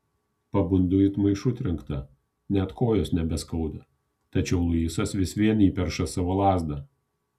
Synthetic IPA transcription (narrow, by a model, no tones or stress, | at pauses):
pɐbʊnd̪ʊɪt̪mɐɪʃʊt̪ʲɾʲɛŋkt̪ɐ | nʲɛt̪koːjoːsnʲɛbʲɛskɐʊd̪ɐ | t̪ɐt͡ʃʲɛʊlˠʊiːsɐsʋʲɪsʋʲiɛniːpʲɛɾʃɐsɑʋoːlˠɑːzd̪ɐ